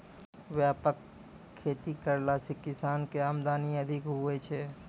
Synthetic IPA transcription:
ʋjaːpəkʰː | eːt̪ikəɾlaːsikɪsaːnkeaːmd̪aːniɐd̪ʱɪkɦʊet͡ʃʰe

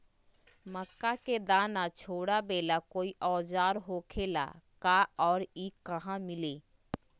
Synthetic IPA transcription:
məkːaked̪aːnat͡ʃʰoːɽabeːlakoːiʔɔːd͡ʒaːɾɦoːkʰeːla̰kaɔːɾikəɦãmɪleː

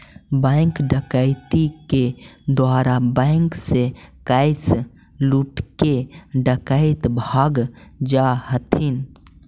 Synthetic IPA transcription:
bə̃ɪŋkɖəkaɪt̪iked̪waːɾabə̃ɪŋksekaɪs | luʈkeɖəkəɪt̪bʱaːɡd͡ʒahət̪ʰin

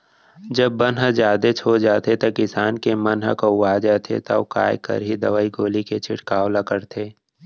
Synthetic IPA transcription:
d͡ʒɐbːənɦəd͡ʒjaːd̪et͡ʃʰoːd͡ʒaːt̪et̪ɐkɪsaːnkemɐnɦə̰koʋaːd͡ʒaːt̪ʰḛt̪ɐ̰oka̰ːjkə̰ɾɦid̪ɐʋaːiɡoːliket͡ʃʰɪʈkaːwlakəɾt̪ʰeː

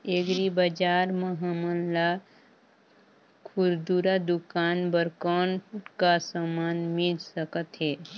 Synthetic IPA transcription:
eɡɾibəd͡ʒaːɾməɦamənla | kʰuɾd̪uɾad̪ukaːnbəɾkɔnkasamaːnmilsəkət̪ɦɛː

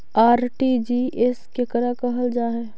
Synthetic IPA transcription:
aːɾʈiːd͡ʒiʔeskekəɾakəɦəld͡ʒaːɦɛː

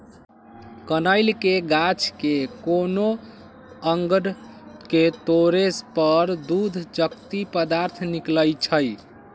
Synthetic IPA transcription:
kənəjlkeɡat͡ʃkekono | əŋɡəɽ | ket̪oɾespəɾd̪ud̪ʱd͡ʒəkt̪ipəd̪aɾt̪ʰnikləjt͡ʃʰəj

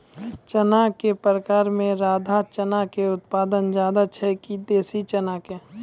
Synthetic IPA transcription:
t͡ʃənakepəɾəkaːɾmẽɾaːd̪ʱat͡ʃənakeʊt̪̚paːd̪ənd͡ʒjaːd̪at͡ʃʰɛkid̪eːsit͡ʃənaːke

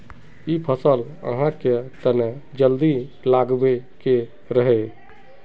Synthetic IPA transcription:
ipʰəsəl | ə̰ɦãket̪əned͡ʒəld̪i | laɡbeke | ɾəɦɛ

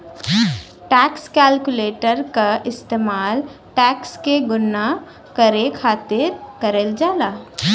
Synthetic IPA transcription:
ʈɛːkskɛːlkʊleːʈəɾkaʔɪst̪eːmaːl | ʈɛːkskeɡʊnːa | kɐɾekʰaːt̪ɪɾkɐɾeːld͡ʒaːlaː

